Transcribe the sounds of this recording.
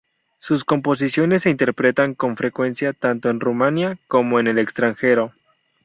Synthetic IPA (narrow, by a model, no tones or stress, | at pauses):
susko̞mpo̞s̬isjo̞ne̞sːeint̪e̞ɾpɾe̞t̪aŋko̞ɱfɾe̞kwe̞nsjat̪ant̪o̞e̞nrumãnjako̞mo̞ene̞le̞kst̪ɾaŋxe̞ɾo̞